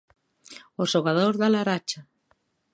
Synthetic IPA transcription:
oʃoɣaðoɾðalaɾat͡ʃa

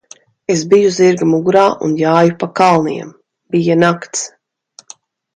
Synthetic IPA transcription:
esbijuziɾɡamuɡuɾaːʔṵnjaːjupakalˠnḭɛm | b̥ijanakt̪s

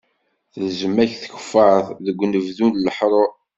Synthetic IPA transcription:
θðzəmːæçθə̥çə̥fəəθˤðəɡʷːnəvðunləħɾˤo

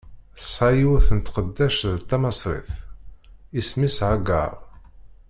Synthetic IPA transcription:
θəsˤɑjiwæθənt̪qəd̪ːæʃðt̪ːæmɑsˤɾˤḭθ | ismisʕaɡɑ̰ɾˤ

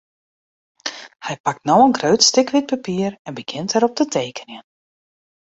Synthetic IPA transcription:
hɛjpak̚tnowənɡrøːtstɪkʋɪt̚papiərɛnbəɡ̥ɪntɛɾɔp̚dətʰeːkʰənjə

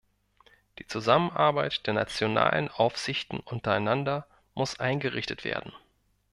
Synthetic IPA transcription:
d̥iːt͡suzamənʔaɐbaɪtd̥eːɐna̰t͡sjona̰ːlənʔaʊfz̥ɪçtn̩ʔʊntɐaɪnandɐ | mʊsʔaɪnɡəʁɪçtətv̥ḛːɐdn̩

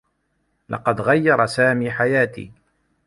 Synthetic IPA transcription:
lɑ̰qɑd̪ɣajːɑɾˤɑsaːmiːħajaːt̪ḭː

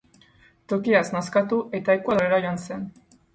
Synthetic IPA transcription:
t̪o̞kiasnaskat̪uʔe̞t̪aekuaðoɾeɾajoanse̞n

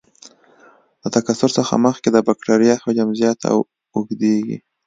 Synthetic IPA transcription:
lat̪akasʊɾsəxa̰məxked̪əbakʈaɾijɑhod͡ʒamzjɑt̪ʰa̰ | ʊɡd̪eɡḭ

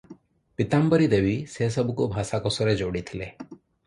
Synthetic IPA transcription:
pɪt̪ambəɾid̪eʋises̬əbʱukobʱaːsakɔsoɾed͡ʒoːɽit̪ʰile

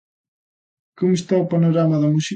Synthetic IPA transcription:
komʊst̪aupanoɾamɐðɐmusi

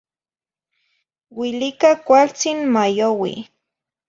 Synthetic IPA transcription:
wɪlɪkakwalt͡sɪŋmajowɪ̰

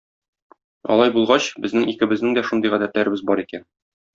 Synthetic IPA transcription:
ɒ̰lˠɑjbulˠʁɑɕbɘ̆znɘŋikɘ̆bɘ̆znɘŋd̪æʃund̪ɤjʁæd̪æt̪læɾɘ̆bɘzbɒɾikæn

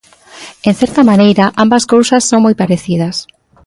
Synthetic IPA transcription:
ẽn̟θɛɾt̪ɐmanejɾaʔambɐskowsɐsːoŋmojpaɾeθið̞ɐs

